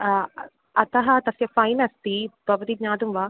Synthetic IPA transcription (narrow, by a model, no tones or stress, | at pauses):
ɐt̪ɐɦɐt̪ɐsjɐfɐjnɐst̪it̪ɐʋɐd̪idɲaːd̪umʋɐ